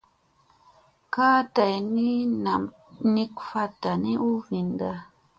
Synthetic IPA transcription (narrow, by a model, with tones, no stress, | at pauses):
kaː˦ta˨jni˦na˨m | ni˦kfa˦ta˨ni˦ʔu˦vi˨nda˦